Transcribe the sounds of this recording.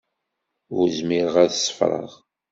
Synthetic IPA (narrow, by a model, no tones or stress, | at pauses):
ʊɾzmɪɾəʁæðəsːə̥fɾˤə̰ʁ